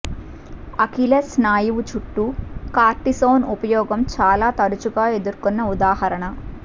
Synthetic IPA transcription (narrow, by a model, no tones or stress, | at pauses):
ɐkilɐsnaːjiʋut͡ʃuʈːukaːɾʈisoːnupɐjɔːɡɐmt͡ʃaːlaːt̪ɐɾut͡ʃuɡaːe̞d̪uɾkonːɐud̪aːhɐɾɐɳɐ